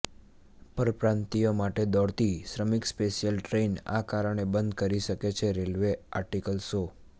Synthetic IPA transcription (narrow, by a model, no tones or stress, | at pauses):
pəɾpɾãnt̪ijomaʈed̪ɔɽt̪isɾəmikspeʃijəlʈɾeina̰kaɾəɳebənd̪kəɾiʃəket͡ʃʰeɾelʋea̰ɾʈikəlso